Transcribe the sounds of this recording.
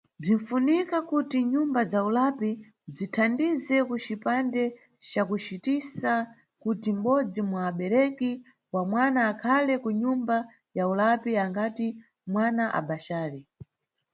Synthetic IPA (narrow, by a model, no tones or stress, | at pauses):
b͡ʐiɱ̩funikakutiɲumbazaulapi | b͡ʐitʰandizɛkut͡ʃipandɛ | t͡ʃakut͡ʃitisa | kutim̩ɓɔd͡zimwaːɓɛɾɛki | wamwanaːkʰalɛkuɲumba | jaulapiaŋɡati | mwanaʔa̰ɓaʃaːɾi